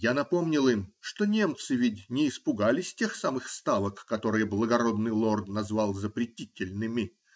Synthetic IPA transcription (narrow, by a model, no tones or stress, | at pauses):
janɐpo̞mnʲɪlˠɨmʂt̪o̞nʲe̞mt̪sɨvʲɪdʲnʲɪːspʊɡalʲɪsʲtʲe̞xsamɨxst̪alˠəkːɐt̪o̞ɾɨjəblˠəɡɐɾo̞d̪nɨjlˠo̞rd̪nɐzvalˠzəpɾʲɪtʲitʲɪlʲnɨmʲɪ